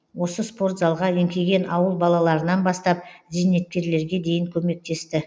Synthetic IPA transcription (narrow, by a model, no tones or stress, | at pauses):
wo̞səspo̞rt̪zɑlˠʁɑemkʲe̞ɡʲe̞nʔɑwəlˠbɑlˠɑlˠɑɾənɑnbɑst̪ɑp̚zijne̞t̪̚kʲe̞ɾle̞ɾɡʲe̞d̪e̞jɪŋkʲʰɵme̞k̚t̪e̞st̪ɪ